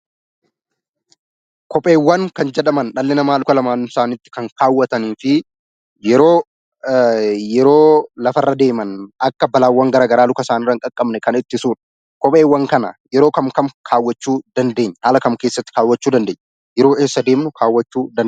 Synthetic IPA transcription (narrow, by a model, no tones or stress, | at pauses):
kɔpʼeːwːɐŋkɐnd͡ʒɛᶑɐmɐnᶑɐlːɛnɐmaːlʊkɐlɐmaːnsaːnɪt̪ːɪ̥kɐŋkaːwːɐt̪ɐniːfɪ | jɛɾo̞ː | jɛɾoːlɐfɐrːɐd̪e̞ːmɐnɐkːɐbɐlaːwːɐŋɡɐɾaːɡɐɾaːlʊkɐsaːnɪrːɐŋkʼɐkʼːɐbnɛkɐnɪt̪ːɪsuːᶑɐ̥ | kɔpʼe̞ːwːɐŋkɐnɐ̰jɛɾo̞ːkɐmkɐmkʰaːwːɐt͡ʃːuːd̪ɐnd̪e̞ːɲːhaːlɐkɐmke̞ːsːɐt̪ːɪ̥kaːwːɐt͡ʃːuːd̪ɐnd̪eːɲː | jɛɾo̞ːʔeːsːɐd̪e̞ːmnʊkʰaːwːɐt͡ʃːuːd̪ɐ